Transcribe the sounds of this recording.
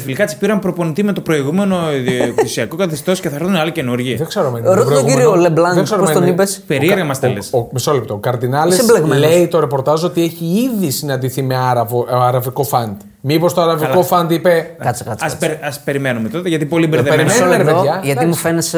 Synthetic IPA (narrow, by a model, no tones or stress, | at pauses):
filikɐt͡si̥piɾɐmpɾo̞po̞nit̪ime̞t̪opɾo̞iɣume̞no̞kisiɐkokɐθest̪o̞sceθɐɾoθunɐlicenuɾʝiɐðekseɾomenɾot̪ɾooɣɡiɾioleblɐnðeksɐɾomeonipespeɾieɾɣɐmɐst̪ɐlesomiso̞lep̚t̪okɐɾðinɐlesbleɣmle̞it̪o̞ɾe̞po̞ɾt̪ɐzo̞t̪ieçiiðisinɐnd̪iθime̞ɐɾɐvoɐɾɐviko̞fɐnd̪ | mipo̞st̪oɐɾɐviko̞fɐnd̪ipe̞kɐskɐɐsɾɐspe̞ɾimenumet̪o̞t̪eʝɐt̪ipo̞libeɾðeeɾmsoleɾeoɐʝɐtimufenes